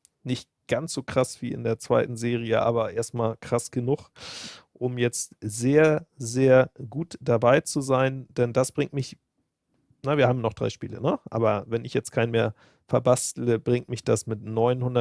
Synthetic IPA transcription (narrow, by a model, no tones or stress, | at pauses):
nɪçt | ɡ̥ansz̥oːkʁ̥asv̥iːɪ̰ndeːɐt͡sv̥a̰ɪtn̩zeːʁiəʔa̰ːβɐʔeːɐstmaːlkʁ̥asɡ̥ənʊχʔʊmjɛt͡stzeːɐzeːɐɡuːtd̥abaɪt͡suzaɪnd̥ɛndasb̥ʁɪŋtmɪç | nəviːɐhaːbm̩nɔχd̥ʁa̰ɪʃpḭːlə̰nəʔa̰ːbɐvɛnɪçjɛt͡stkʰaɪnmeːɐ | fɛɐbastl̩əbʁɪŋtmɪçd̥asmɪtnɔʏnhʊndɐ